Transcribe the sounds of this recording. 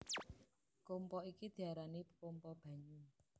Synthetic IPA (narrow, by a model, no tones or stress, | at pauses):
kompɔikid̪̥i̤aɾanipkɔmpɔb̥a̤ɲu